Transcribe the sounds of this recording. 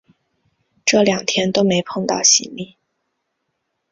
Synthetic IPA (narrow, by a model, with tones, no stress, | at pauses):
ʈ͡ʂɤ˥˩ljɑ˨˩ŋt̪ʰjɛ˥nt̪o˥ʊme˧˥ɪpʰɤ˥˧ŋt̪ɑ̰˥˩ʊɕḭ˧˥nli˥˩